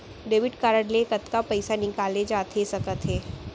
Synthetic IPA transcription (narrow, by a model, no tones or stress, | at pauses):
ɖeːʋɪɖkaːɾəɽlekɐt̪kapɛɪsanɪkaːled͡ʒaːt̪ʰesɐkət̪ɦeː